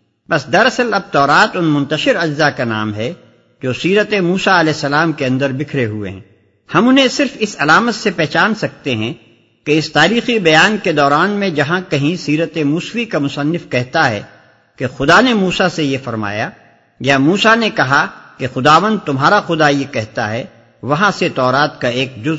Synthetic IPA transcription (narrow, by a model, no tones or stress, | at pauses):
pɐsd̪ɐɾɐsəlɐb̚t̪ɔːɾaːt̪ʊnmʊ̃nt̪əʃɪɾɐd͡ʒzakana̰ːmɦɛ | d͡ʒoːsiːɾət̪emuːsaɐlɛːsɐlaːmkeɐ̃nd̪əɾbɪkʰɾeɦuḛɦɛ̰̃ | hɐmʊnɦẽsɪɾfɪsɐlaːmət̪sepɛɦt͡ʃaːnsɐk̚t̪eɦɛ̃ | keɪst̪aːɾiːxibɐjaːnked̪ɔːɾaːnmẽd͡ʒɐɦãkɐɦĩsiːɾət̪emuːsʋikamʊsɐnːɪfkɛɦt̪aɦɛ̰ | kexʊd̪anemuːsasejefɐɾma̰ːja | jaːmuːsanekɐɦakexʊd̪aːʋə̃nd̪̚t̪ʊmɦaːɾaxʊd̪ajekɛɦt̪aɦɛ | ʋɐɦãset̪ɔːɾaːt̪kaeːk̚d͡ʒʊ